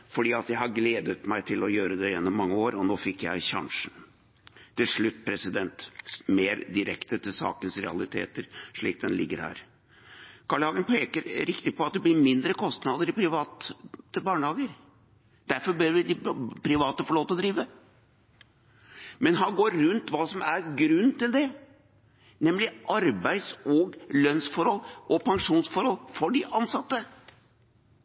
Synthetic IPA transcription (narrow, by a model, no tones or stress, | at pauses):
fɔɖiːɑt̪jæɪhɑɾɡleːd̪ət̪mæɪt̪ʰɪlɔjøːɾəd̪ɛjɛnːɔmːɑŋːəoːɾɔnoːfɪkːjæɪɕɑ̰ŋʂn | t̪ɪlʂɭʉt̪ːpʰɾɛsɪd̪ɛnt̪meːɾd̪ɪɾɛkt̪ət̪ʰɪlsɑ̰ːkənsɾɛ̰ɑ̰lɪt̪ʰḛːt̪əɾʂɭiːk̚d̪ɛnlɪ̰ɡːəɾhæ̰ːɾ | kʰɑɭəhɑːɡənpʰeːkəɾɾɪkt̪ɪpɔɑt̪̚d̪ɛblɪɾmɪnd̪ɾəkʰɔst̪nɑd̪əɾɪpʰɾɪʋɑːt̪ːəbɑːɳəhɑːɡəɾ | d̪̥æɾfɔɾbøːɾʋɪd̪ɪpʰɾɪʋɑːt̪əfɔɭoːt̪əɔd̪ɾiːʋə | mɛnɦɑnɡoːɾːʉnt̪ʋɑːsɔmæɾɡɾʉnːt̪ɪld̪ɛ | nɛmlɪʔɑɾbæɪsɔɡlœnsfɔɾhɔlːʔɔpʰɑŋʂuːnsfɔɾhɔlfɔɖɪʔɑnsɑt̪ːə